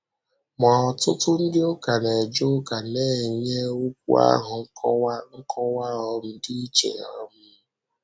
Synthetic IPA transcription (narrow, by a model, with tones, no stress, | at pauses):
mɔ˨ɔ˨tʊ˦tʊ˦n̩˦dɪ˦ʊ˦ka˨ne˨d͡ʒʊ˦ka˨ne˦˨ɲe˦u˦k̚ʷṵ˦a̰˦ɦʊ˨ŋ̩˦kʰɔ˦wa˦ŋ̩˦kʰɔ˦wa˦ɔ˦m̩˦di˦i˦t͡ʃḛ˨ɔ̰˦m̩˦